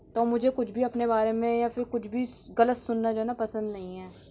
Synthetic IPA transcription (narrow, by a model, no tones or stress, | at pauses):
t̪oːmʊd͡ʒʱekʊt͡ʃʰbʱiɐpnebaːɾemẽjafʰɪɾkʊt͡ʃʰbʱiɡɐlət̪sʊnːad͡ʒaːnapɐsə̃nd̪nɐɦĩɦɛː